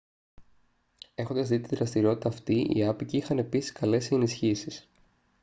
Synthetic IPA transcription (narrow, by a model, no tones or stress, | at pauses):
e̞xo̞nd̪ɐzðit̪iðɾɐst̪iɾio̞t̪it̪ɐːft̪iʔḭɐpiciixɐne̞pisi̥skɐle̞senisçisis